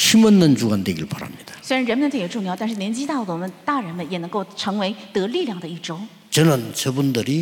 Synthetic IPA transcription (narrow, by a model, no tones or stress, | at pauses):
ɕimʌnːɯnt͡ɕuɡand̪eɡiɯpaɾa̰mɲid̥̪ḁsweɪɻanɻənmənəjoʈ͡ʂʊŋjɑʊt̪nʂɻ̩njɛnt͡ɕit̪ɑd̪əwɔmənt̪aɻənmənjɛnɤŋkoʊʈ͡ʂʰɤŋweɪt̪ɤliljɑŋd̪əiʈ͡ʂoʊ | t͡ɕʌnɯnt͡ɕʌbund̪ɯɾi